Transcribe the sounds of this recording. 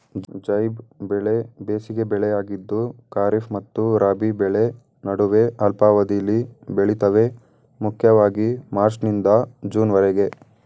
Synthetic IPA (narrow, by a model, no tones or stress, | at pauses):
d͡ʒd͡ʒɐjbbɛɭebeːsiɡe̞bɛɭejaːɡid̪ːukaːɾifmɐt̪ːuɾaːbibɛɭe̞ | nɐɽuʋe̞ɐlpaːʋɐd̪ijɐlːibeɭit̪ɐʋe̞ | mukʰjɐʋaːɡimaːɾt͡ʃnind̪ɐd͡ʒuːnʋɐɾeɡe̞